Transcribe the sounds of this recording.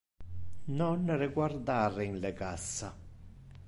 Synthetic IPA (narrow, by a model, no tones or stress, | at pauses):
nɔnrɪɡward̪aːɾɪinlɛɡasːa